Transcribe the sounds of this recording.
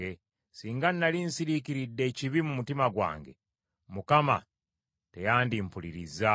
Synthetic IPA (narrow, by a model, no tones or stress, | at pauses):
e | siːŋɡanːalinsiɾiciɾidːe̞ːciβimumutimaɡwa̰ːŋɡe̞̰ | mukama̰ | te̞jaːndimpuliɾiza